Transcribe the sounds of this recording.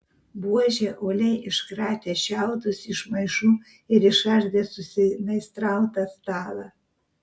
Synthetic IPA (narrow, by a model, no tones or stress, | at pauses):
buɔʒʲeːʔoːlʲɛɪʔɪʃkɾɑːt̪ʲeːʃʲæˑʊt̪ʊsɪʃmɐɪʃuː | ɪɾɪʃɑʒʲd̪ʲeːsʊsʲɪnɐɪst̪ɾɑˑʊt̪ɐst̪ɑːlˠɑ